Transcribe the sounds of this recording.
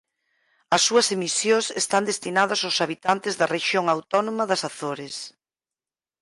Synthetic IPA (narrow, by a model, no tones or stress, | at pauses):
ɐsːuɐsemisjosest̪and̪est̪inað̞ɐsawsaβit̪ant̪ɪzðɐreʃjoŋawt̪ɔnomɐðɐsaθoɾes